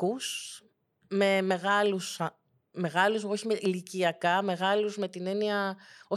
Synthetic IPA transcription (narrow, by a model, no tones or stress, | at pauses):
us | me̞me̞ɣɐlus | me̞ɣɐluzoçimeliciɐkɐme̞ɣɐluzme̞t̪ine̞niɐo̞